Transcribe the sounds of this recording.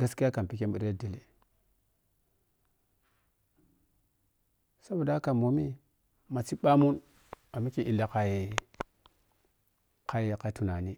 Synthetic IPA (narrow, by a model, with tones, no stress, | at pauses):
ɡa˦ski˦ja˦ka˨pi˨ke˦mbi˨ɾe˦di˨le˨ | sa˦ba˨da˦ka˨mo˨mi˦ | ma˨t͡si˦ɓa˦mu˦n | a˨mi˦ki˨ʔi˨lːa˨ka˨i˨˦ | ka˨˦jka˨˦tu˨na˨ni˦